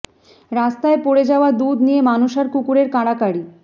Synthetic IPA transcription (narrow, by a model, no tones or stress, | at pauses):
ɾast̪aepoɽed͡ʑaoad̪ud̪nijemanuʃaɾkukuɾeɾkaɽakaɽi